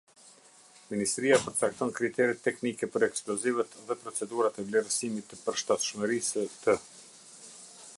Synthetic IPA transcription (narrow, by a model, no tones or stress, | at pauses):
minist̪ɾiapəɾt͡sak̚t̪ɔnkɾit̪ɛɾit̪ːɛknikɛpəɾɛksplɔzivət̪ðɛpɾɔt͡sɛd̪uɾat̪ɛvlɛɾsimit̪ːəpəɾʃt̪at̪ʃməɾisət̪ə